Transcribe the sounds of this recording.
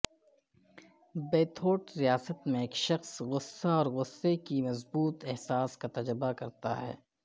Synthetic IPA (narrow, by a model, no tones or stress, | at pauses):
beːt̪ʰoːʈɾijaːsət̪mẽeːkʃɐxsɣʊsːaɔːɾɣʊsːekimɐzbuːt̪ɛɦsaːskat̪ɐd͡ʒɾəbakɐɾt̪a̰ɦɛ̰ː